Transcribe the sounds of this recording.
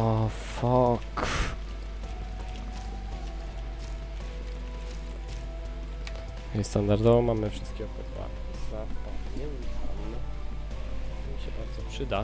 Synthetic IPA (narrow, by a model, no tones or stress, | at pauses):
ɔfɔk | st̪and̪aɾd̪ɔvɔmamɘfʂɘst̪̚kʲɛɔpɛt̪ba̰ | zapadɲɛnt̪ʰam | mʲiɕɛbaɾd̪zɔpʂɘd̪a